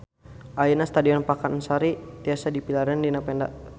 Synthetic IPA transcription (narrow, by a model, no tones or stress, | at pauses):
ʔainast̪adiɔnpakansaɾit̪iasadipilaɾandinapɛnda̰ʔ